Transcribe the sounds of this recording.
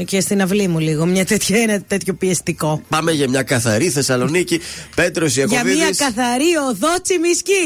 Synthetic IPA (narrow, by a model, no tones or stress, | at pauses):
cest̪inɐvlimuliɣo̞mɲɐt̪et̪çɐinɐt̪e̞t̪ço̞piest̪iko̞pɐmeʝɐmɲɐkɐθɐ̰ɾiθe̞sɐlo̞nicipe̞t̪ɾosiɐʝɐiɐskɐθɐɾioðot͡simisci